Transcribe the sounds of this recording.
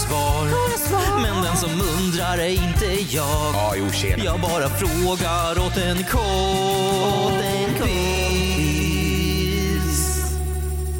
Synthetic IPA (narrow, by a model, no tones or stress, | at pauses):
svɑːɾ | mɛnd̪ɛnsɔmɵnd̪ɾaɾɛjɪnt̪ə | jɑː | juːḛjɑːɡ̚bɑːɾafɾoːɡa | ɾɔt̪ɛnkʰɔ | t̪ɛnkʰ